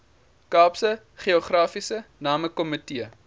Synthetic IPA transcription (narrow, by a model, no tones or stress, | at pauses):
kɑːpsə | χiɔχrɑːfisənɑːməkɔmətiə